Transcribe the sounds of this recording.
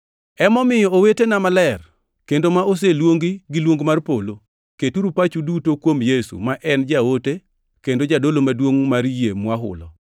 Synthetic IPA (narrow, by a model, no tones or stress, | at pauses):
ɛmɔmɪjɔowetenamalɛr | kendomaʔos̬elwoŋɡiɡɪlwoŋɡmarpolo | ketuɾupat͡ʃudutokwomjesṵmaʔɛnd͡ʒaote | kendod͡ʒadolomadwoŋmaɾjemwaɦʊ̰lɔ̰